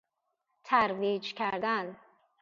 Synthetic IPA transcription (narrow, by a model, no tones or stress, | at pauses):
t̪ʰæɾvid͡ʒkʲʰæɾd̪an